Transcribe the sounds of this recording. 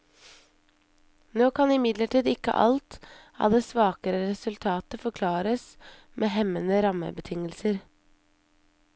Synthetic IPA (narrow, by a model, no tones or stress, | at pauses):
noːkʰɑnɪmɪd̪ləʈʰiːd̪ɪkːə̰ʔɑ̰lt̪ɑ̰ʋd̪eːsʋɑːkəɾəɾɛsʉlt̪ʰɑːt̪əfɔɾkʰlɑːɾəs | mʔeːɦɛmənəɾɑmə̰bət̪ʰɪŋəlsəɾ